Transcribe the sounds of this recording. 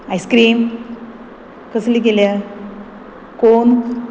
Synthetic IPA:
ajskɾiːm | kəslikelja | kon

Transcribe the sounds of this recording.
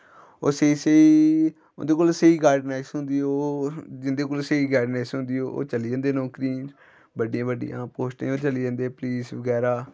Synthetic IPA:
o̰ːsəiːseḭː | nd̪eːkolsəiːɡaːɖnaːɪsɦʊ̃nd̪iːoːd͡ʒɪnd̪eːkoːlsəiːɡaːɖnaːɪsɦʊ̃nd̪iːoːʔo̰ːt͡ʃəliːd͡ʒə̃ːnd̪eːnɔːkɾĩː | bəɖijãːbəɖijã̰ːpoːsʈḛ̃ːoːt͡ʃəliːd͡ʒə̃ːnd̪eːpliːsʋəɡɛːɾaː

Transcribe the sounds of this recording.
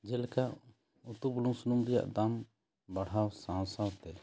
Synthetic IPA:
d͡ʒɛlkaʔ | ut̪ubuluŋsunumɾija̰ʔd̪am | baɽ̤ɦawsãw̃sawt̪ɛ

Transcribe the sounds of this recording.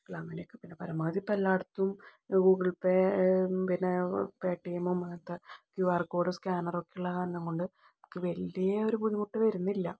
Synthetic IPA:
kɭamɐlekːɨpinːepɐɾɐmːɐðipɐlːaːɽt̪ːumɡuːɡɐɭpepinːepeːʈːijɐmumɐt̪ːɐkjuʋaːrko̞ːɽɨskʲaːnɐro̞kːeuɭːɐnːɐŋkoɳɖɨ | kːeʋɐlːijɐoɾupuɻimuʈːɨʋɐɾunːilːɐ

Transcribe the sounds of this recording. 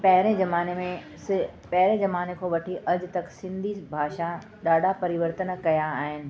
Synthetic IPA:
pɐɦɪɾẽzɐmaːnemẽ | sɪpɐɦɾẽzɐmaːnekʰoʋɐʈʰiʔɐʄ̆t̪ɐksɪ̃nd̪ʱisbʱaːʃa | ɗaːɖ̤ʱapɐɾɪʋəɾt̪ənkɐjaːɦɪnɪ̆

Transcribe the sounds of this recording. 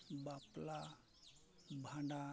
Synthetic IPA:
bapla | bʱaɳɖa

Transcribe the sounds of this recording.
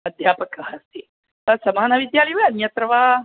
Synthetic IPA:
ɐd̪ʱjaːpɐkɐɦɐst̪i | ɐsɐmaːnɐʋid̪jaːlijʋɐɐnjɐt̪ɾɐʋaː

